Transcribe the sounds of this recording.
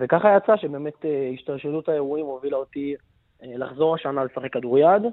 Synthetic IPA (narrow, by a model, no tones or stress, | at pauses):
vekaχajat͡saʃe̞beːme̞t̪eiʃtalʃelutaeʁuimovilaot̪i | elaχzo̞ʁaʃanalesaχekːaduʁjad̪